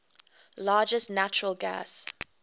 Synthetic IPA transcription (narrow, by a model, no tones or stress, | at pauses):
lɑːd͡ʒəsnat͡ʃəɹəlˠɡæ̰s